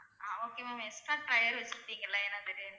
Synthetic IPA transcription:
aːoːkemaːmɛsʈːãːʈɾɐjɐɾʋɐt͡ʃːɪɾʈːiːŋɡɐlːãːɛnːat̪ɐɾɯ

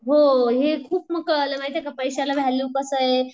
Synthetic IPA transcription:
ɦoɦekʰuːp̚məkləmajt̪ekapəjsalabʱɛlukəsəe

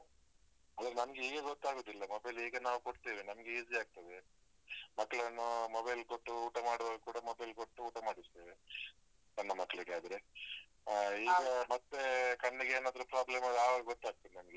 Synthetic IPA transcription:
ɐd̪ɐɾenɐmɐɡeiːɡeɡot̪ːaːɡoːd̪ilːɐmobɐjliːɡɐnaːʋukoɽt̪iːʋinɐmɡeiːziaːɡ̚t̪ɐd̪e | mɐkːɐɭɐnːumobɐjlkoʈːuuːʈamaːɽʋaːɡukuːɽɐmobɐjlkoʈːuuːʈamaːɽist̪eːʋe | nɐnːɐmɐkːɐɭiɡeaːd̪ɐɾe | iːɡɐmɐt̪ːekɐɳːiɡeeːnaːd̪ɐɾupɾaːblemɐlaːʋɐɡɡot̪ːaːɡ̚t̪ɐd̪enɐmɐɡe

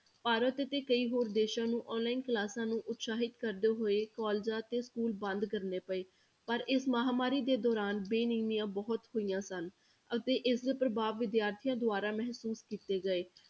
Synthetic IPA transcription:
paːɾət̪ət̪eːkəiːɦoːɾd̪eːʃãːnũːʔɔːnlaːinklaːsãːnũːʔʊt̪saːɦɪt̪kəɾd̪eːɦoːeːkaːld͡ʒaːt̪eːskuːlbə̃nd̪kəɾneːpəeː | pəɾɪsməɦaːmaːɾiːd̪eːd̪ɔːɾaːnbeːniːmijãːbɔːt̪hoːijãːsən | ət̪eːʔɪsd̪epɾəbaːʋːɪd̪jaːɾt̪ʰijãːd̪ʊaːɾaːmɛɦsuːskiːt̪eːɡəeː

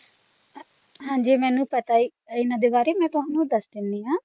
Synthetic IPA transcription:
ɦãːɲd͡ʒiːmɛ̃ːnũːpət̪aːiːɪnãːd̪eːbaːɾeːmɛ̃ːt̪ʊɦãːnũːd̪əsd̪ɪnd̪iːɦãː

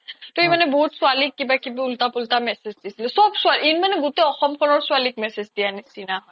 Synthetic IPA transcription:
t̪ɔimaneboɦut̪swalikːibakibault̪apultamɛsezd̪isilɛsɔbsualinmaneɡut̪eɔxɔmkʰɔlɔɹsuwalik̚mɛsed͡ʑd̪ijanisinaɦɔj

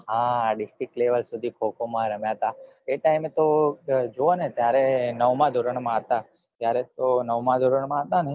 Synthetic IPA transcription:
ɦãːɖɪsʈɾɪk̚ʈleʋəlsud̪ʱikʰokomãɾəmjat̪a | eʈaimet̪od͡ʒoonet̪jaɾenəʋmãd̪ʱoɾəɳmãɦət̪a | t̪jaɾet̪onəʋmãd̪ʱoɾəɳmãɦət̪ane

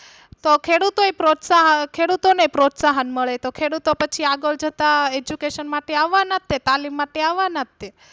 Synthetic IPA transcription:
t̪okʰeɽut̪oepɾot̪saɦəkʰeɽut̪onepɾot̪saɦənməɭet̪okʰeɽut̪opət͡ʃʰiaɡəld͡ʒət̪aed͡ʒukeʃənmaʈeaʋːanət̪ːet̪alimːaʈeaʋːanət̪ːe

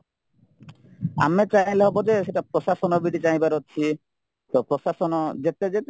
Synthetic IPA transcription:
a̰met͡ɕajleɦɔbɔd͡ʑeʃeʈapɾɔʃaʃɔnɔbiɖit͡ɕaj̃baɾotːt͡ɕʰi | t̪ɔpɾɔʃaʃɔnɔd͡ʑet̪ed͡ʒet̪

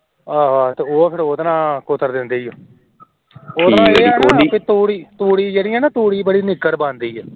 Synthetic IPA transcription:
aːʋaːt̪eːoːpʰɪɾoːd̪nãːkʊt̪ʰːəɾd̪ɪnd̪eːijoː | oːd̪nãːeːpit̪uːɽiːt̪uːɽiːd͡ʒeːɽiːãːnãːt̪uːɽiːbəɽiːnɪkːəɾbãːnd̪iːɛː

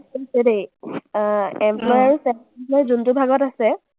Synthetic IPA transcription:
oisɛdej | ɛmplɔjaɹusɛ | lɔjzuntubʱaɡɔtasɛ

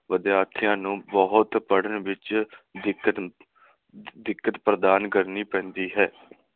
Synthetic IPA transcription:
ʋəd̪jaːt̪ʰɪjãːnũːbəɦʊt̪pəɽənʋɪt͡ʃd̪ɪkːə | d̪ɪkːət̪pɾəd̪aːnkəɾniːpɛ̃ːnd̪iːɦɛː

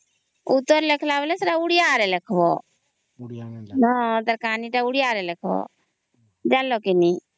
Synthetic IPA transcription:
ut̪ːəɾlekʰlaːʋlesəɾaʊɽijaːɾelekʰʋo | nɔt̪əɾkaːniʈaʊɽijaːɾɛlekʰʋo̰ | d͡ʒaːlːokini

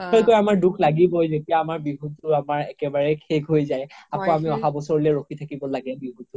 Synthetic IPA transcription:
ɔɹkɔjamaɹdukʰlaɡibɔjzotijaːmaɹbiɦutʊɹamaɹɛkɛbaɹɛkʰekɦojzajapɔamiɔɦabɔsɔɹɔlɛɹoxʰitʰakibɔlaɡɛbiɦutʊ

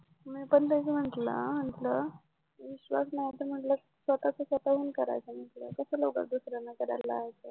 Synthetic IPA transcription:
miːpənt̪ət͡sim̤əɳʈlə̰m̤əɳʈlə | ʋiɕʋa̰snajit̪əɾm̤əʈlə | sʋət̪at͡səsʋət̪aɦuːnkəɾa̰jt͡səm̤əɳʈlə̰kəsaloɡa̰d̪usɾanːakəɾajlaːɦt͡se

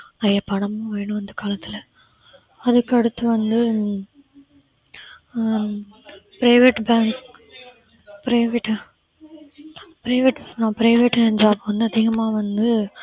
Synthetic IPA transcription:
ɐðɐpɐɳɐmɯ̃ʋeːɳɯ̃ʋɐnd̪ɯkaːlɐt̪ːɪlɐ | ɐðɯkːɐɽɯt̪ːɯʋɐnd̪ɯ | pɾɐɪʋeʈbaːŋk | pɾɐɪʋeʈː | pɪɾɐɪʋeʈnãːpɾɐɪʋeʈːɐd͡ʒaːbɯʋɐnd̪ɯɐðɪɣɐmaːʋɐnd̪ɯ

